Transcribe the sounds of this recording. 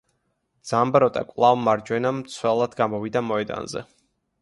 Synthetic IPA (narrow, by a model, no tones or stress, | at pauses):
d̪z̥ambɾɔt̪ʼa̰kʼlˠavmaɾd͡ʒwɛnamt̪sʰwɛlˠad̪ɡamɔvid̪amɔɛd̪a̰nzɛ̰